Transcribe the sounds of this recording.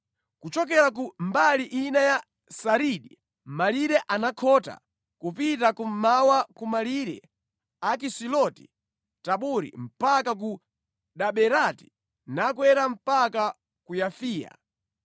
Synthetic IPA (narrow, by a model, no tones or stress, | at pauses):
kut͡ʃɔk̬ɛɾak̬umbaliʔinaja | saɾiɗi | m̩maliɾɛʔanakʰɔta̰ | kupitakum̩mawakumaliɾɛ̰ | ak̬isilɔti̥̰ | taɓuɾḭm̩pakak̬u | ɗaɓɛɾati̥ | nakwɛɾam̩paka | kujafiːja̰